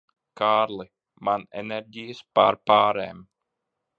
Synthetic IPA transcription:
kaːɾlˠi | manɛ̰nɛɾɟijəspaɾpaːɾɛːm

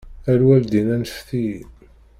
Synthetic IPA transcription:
æɾwæld̪inænfθi

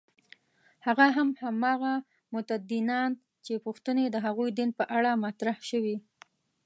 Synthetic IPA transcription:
haɣaɦamhamɑɣa | mʊt̪ad̪inɑn | t͡ʃepuxt̪əned̪əɦaɣujd̪inpəʔaɽamat̪ɾahʃəwi

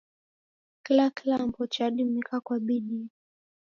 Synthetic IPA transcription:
kilakilampɔt͡ʃaɗim̩ikakwaɓiɗi

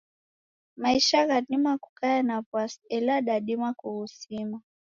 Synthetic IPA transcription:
maiʃaɣaɗimaku̥kajanapwasɛlaɗaɗimakuhusima

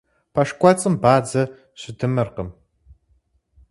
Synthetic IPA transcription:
pʰɐʂkʷʼɔt͡sʼɨmbaːd͡zɐ | ɕʷɪdʰɨmɐrqəm

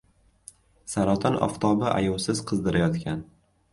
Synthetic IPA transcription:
saɾɒt̪ʰanɒ̰ft̪ʰɒbɪʔa̰jɒwsɪzqʰɨzd̪ɪɾajɒt̪kʲan

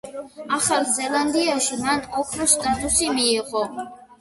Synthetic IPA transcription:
aχaɾzɛland̪iaʃimanɔpʰɾɔst̪ʼat̪ʼusimiːʁɔ

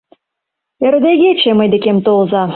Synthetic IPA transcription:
ĕɾ̆d̪eɣʲepʲʃemɤ̆jd̪ĕkʲemt̪olzɑ

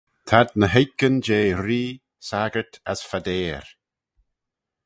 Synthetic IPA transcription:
t̪ʰad̪̚nəɦejkənd͡ʒeːɾiː | saɡəɹtʰasfad̪eːɹ

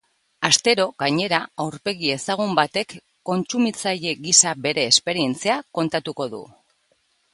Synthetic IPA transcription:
ast̪e̞ɾo̞ɣaɲe̞ɾaawɾpe̞ɣie̞saɣ̞umbat̪e̞kː | o̞nt͡sumit͡saje̞ɣisaβe̞ɾe̞ːspe̞ɾie̞nt͡seako̞nt̪at̪uko̞ðṵ

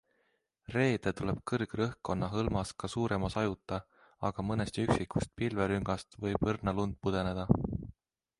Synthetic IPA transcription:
re̞ːd̪̥e̞t̪ule̞b̥̚kɤrɡ̥rɤhko̞nːɑɦɤlmɑskɑsuːɾe̞mɑsɑjut̪ˑːɑ | ɑɡ̥ɑmɤnest̪yksikːˑust̪̚pilveɾyŋɡ̥ɑst̪vɤjb̥ɤrnɑlund̪̥̚pud̪̥e̞ne̞d̪̥ɑ

